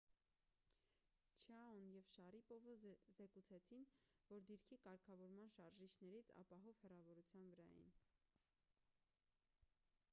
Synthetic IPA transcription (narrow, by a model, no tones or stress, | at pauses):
t͡ʃʰɑunjɛvʃɑripɔvəzɛkut͡sʰɛt͡sʰin | vɔɾd̪iɾkʰikɑɾkʰɑvɔɾmɑnʃɑɾʒit͡ʃʰnɛɾit͡sʰɑ̰pɑɦɔv̥hɛrɑvɔɾut͡sʰjɑnvəɾɑ̰jḭn